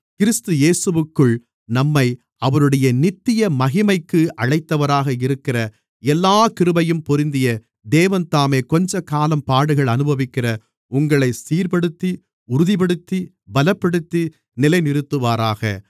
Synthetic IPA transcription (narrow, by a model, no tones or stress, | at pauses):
kɪɾɪst̪ɯjeːsɯʋɯkːɯɭ | nɐmːɐɪ | ɐʋɐɾɯɽɐjɐnɪt̪ːɪjɐmɐɣɪmɐɪkːɯʔɐɻɐɪt̪ːɐʋɐɾaːɣɐɪɾɯkːɪrɐ | ɛlːaːkɪɾɯbɐjɯmpɔɾɪnd̪ɪjɐ | d̪eːʋɐnt̪aːmeːkɔɲd͡ʒɐkaːlɐmpaːɽɯɣɐɭɐnɯbɐʋɪkːɪrɐ | ʊŋɡɐɭɐɪsiːɾpɐɽɯt̪ːi | ʊɾʊðipɐɽɯt̪ːi | bɐlɐpːɐɽɯt̪ːi | nɪlɐɪnɪɾɯt̪ːɯʋaːɾaːɣɐ̰